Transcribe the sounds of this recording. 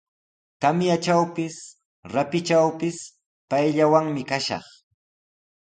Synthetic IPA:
t̪amjat͡ʃawpɪs | ɾapɪt͡ʃawpɪs | pajʎawaŋmɪkaʃɑ̰χ

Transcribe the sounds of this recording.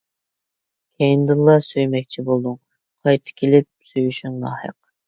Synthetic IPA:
kʲʰɛjind̪ɨlˠːɑsøjmɛk̚ʲt͡ʃʰibolˠd̪uŋ | qʰɑjt̪ʰɨ̥kʲʰelɪp̚syjyʃyŋnɑ̰ːhə̰q

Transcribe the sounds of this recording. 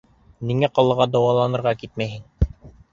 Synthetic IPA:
niŋæqɑlˠːɤ̆ʁɑd̪ɑwɑlˠɑnɤ̆ɾʁɑkit̪mæjɦɘŋ

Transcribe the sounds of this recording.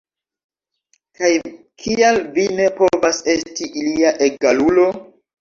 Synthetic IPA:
kaj | kʰialvine̞po̞vase̞stiʔiliaʔe̞ɡalulo̞

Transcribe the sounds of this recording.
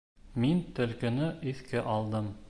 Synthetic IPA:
mint̪ɵ̆lkɘ̆nɘʔiθkɘʔɑlˠd̪ɤm

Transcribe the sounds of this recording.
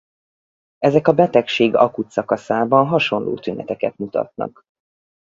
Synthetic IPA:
ɛzɛkɒbɛt̪ɛkʃeːɡɒ̰kut̪sɒkɒsaːbɒnɦɒʃo̞nlʔo̰ːt̪ynɛt̪ɛkɛt̪mut̪ɒ̰t̪̚nɒ̰k

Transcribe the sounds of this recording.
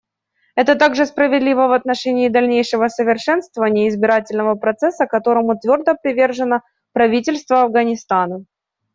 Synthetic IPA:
ɛt̪ət̪aɡʐɨspɾəvʲɪd̪lʲivəvɐt̪nɐʂɛnʲɪːd̪ɐlʲnʲejʂɨvəsəvʲɪrʂɛnst̪vəvənʲɪjəɪzbʲɪɾatʲɪlʲnəvəpɾɐt̪sɛsːəkɐt̪o̞ɾəmʊt̪vʲo̞rd̪əpɾʲɪvʲerʐɨnə | pɾɐvʲitʲɪlʲst̪vəɐvɡənʲɪst̪anə

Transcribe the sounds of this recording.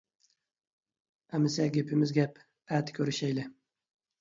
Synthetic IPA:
amɪsaɡʲepʰɪmɪzɡʲap | æt̪kʲʰɵɾɪʃajlɪ

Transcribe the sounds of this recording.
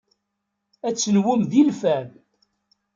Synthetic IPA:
æt͡sːənwʊmðilfæm

